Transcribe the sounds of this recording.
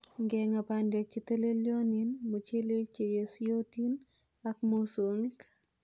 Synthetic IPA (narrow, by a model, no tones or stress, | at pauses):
ŋɡɛŋapandek̚t͡ʃiteleljoninmut͡ʃelek̚t͡ʃejesjotin | akmosoŋɪk